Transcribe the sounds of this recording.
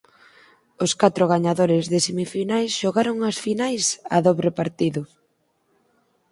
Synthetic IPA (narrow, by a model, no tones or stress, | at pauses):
ʊskat̪ɾʊɣaɲaðoɾɪzðɪsemifinajsʃoɣaɾʊŋɐsfinajsaðoβɾepaɾt̪iðʊ